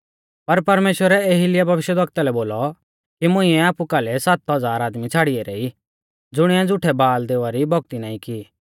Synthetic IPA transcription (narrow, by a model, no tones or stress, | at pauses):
pɐɾpɐɾmeːʃwəɾɛeːɦilɪjabʱɐʋɪʃjəd̪ɐkt̪alɛboːlɔ | kimʊ̃ĩɛaːpukaːlɛsaːt̪ɦɐd͡zaːɾaːd̪mit͡sʰaːɽiɛɾeːi | d͡zʊɽ̃iãd͡zʊʈʰɛbaːld̪eːʋaɾibʱɔɡ̚t̪inãːĩki